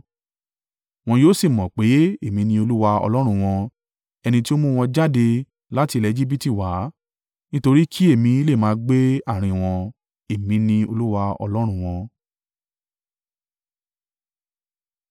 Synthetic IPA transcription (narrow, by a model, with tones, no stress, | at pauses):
w̃ɔ̃˧joː˦si˦˨mɔ̃˨k͡pe˨˦e˦˨mĩ˧nĩ˧o˧lu˦wa˧ɔ̰˧lɔ˦ɾ̃ũ˧w̃ɔ̃˧ | ɛ˧nĩ˧ti˦o˦mũ˦w̃ɔ̃˧d͡ʒa˦de˧ | la˦ti˧lɛ˨˦˧d͡ʒi˦bi˦ti˦˨wa˨˦ | nĩ˦to˧ɾi˦kʰi˦e˦˨mĩ˨˧˦le˦˨mãː˨˦ɡ͡be˦a˦˨ɾ̃ĩ˧˨w̃ɔ̃˧ | e˦˨mĩ˧˦nĩ˧o˧lu˦wa˧ɔ̰˧lɔ˦ɾ̃ũ˧w̃ɔ̃˧